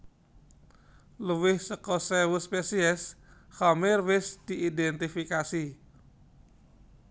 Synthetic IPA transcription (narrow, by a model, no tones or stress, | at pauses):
luwɪhsəkɔsɛwuspesiɛsxɔmɪrwɪsd̪̥iʔidɛnt̪ifikasi